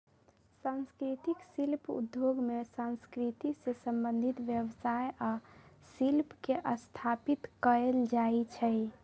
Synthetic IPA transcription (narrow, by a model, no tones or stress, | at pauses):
sãnskɾit̪iksilpṵd̪joɡmesãnskɾit̪isesəmbənd̪ʱit̪ʋjəʋsajasilpkeʔəst̪ʰapit̪kəɾeld͡ʒait͡ʃʰɛj